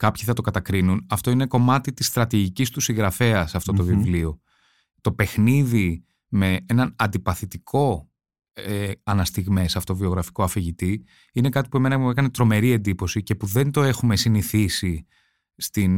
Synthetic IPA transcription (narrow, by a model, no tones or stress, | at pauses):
kɐpçi̥θɐt̪o̞kɐt̪ɐkɾinunɐft̪o̞ine̞ko̞mɐt̪it̪ist̪ɾɐt̪iʝicist̪usiŋɣɾɐfe̞ɐsɐft̪o̞t̪o̞vivlio̞ | t̪o̞pe̞xniði | me̞enɐnɐnd̪ipɐθit̪ikʰo̞ | eɐnɐst̪iɣmesɐft̪ovio̞ɣɾɐfi̥ko̞ɐfeʝit̪i | ine̞kɐt̪i̥pue̞me̞nɐekɐne̞t̪ɾo̞me̞ɾie̞nd̪ipo̞sice̞puðe̞nd̪o̞e̞xume̞siniθisi | st̪in